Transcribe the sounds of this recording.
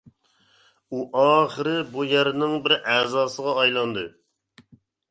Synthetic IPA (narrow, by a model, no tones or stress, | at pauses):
uʔɑːχəɾɪbujæɾnɪŋbɪɾæːzɑːsəʁɑːjlˠɑnd̪ɨ